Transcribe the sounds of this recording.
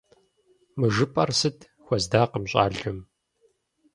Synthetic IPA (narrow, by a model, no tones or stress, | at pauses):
mɨʒɨpʼɐrsɨtʰ | xʷɐzdaːqəmɕʼa̰ːɮɨm